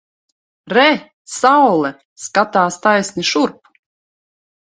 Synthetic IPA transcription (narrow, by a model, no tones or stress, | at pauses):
ɾɛ | sawlˠɛ | skat̪aːst̪ajsnʲiʃuɾp